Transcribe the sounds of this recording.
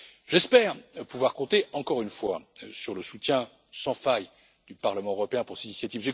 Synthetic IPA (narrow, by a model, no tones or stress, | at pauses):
ʒɛspɛʁpuvwaʁkɔ̃t̪eɑ̃kɔʁynfwa̰syʁləsut̪jɛ̃ | sɑ̃faj | d̪̥ypaʁləmɑ̃øʁɔpeɛ̃puʁsinisjat̪ivʒe